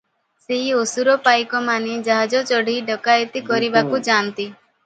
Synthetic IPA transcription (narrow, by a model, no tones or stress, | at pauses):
seosuɾɔpajkɔmanid͡ʒaɦad͡ʒɔt͡ʃɔɽiɖɔkajt̪ikɔɾibakud͡ʒant̪i